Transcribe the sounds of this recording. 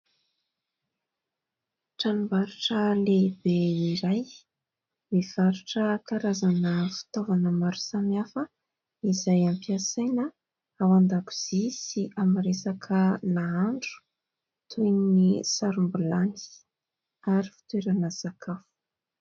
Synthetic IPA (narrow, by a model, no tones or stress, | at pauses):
ʈ͡ʂanubaɾuʈ͡ʂəlebeiɾaj | miv̥aɾuʈ͡ʂəkaɾazanəfi̥t̪ovanəmaɾu̥samiafə | izajampiasajnə | awand̪aku̥z̥isiʔamɾesakʰəlaaɳɖ͡ʐu̥ | t̪ʰujnisaɾumbulani̥ | aɾifi̥t̪weɾanəsakʰafu̥